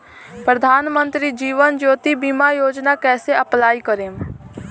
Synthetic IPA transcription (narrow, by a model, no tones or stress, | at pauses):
pɾəd̪ʱaːnmə̃nt̪ɾid͡ʒiːʋənd͡ʒoːt̪ibiːmajoːd͡ʒnakɛːseɐplaːikəɾẽːm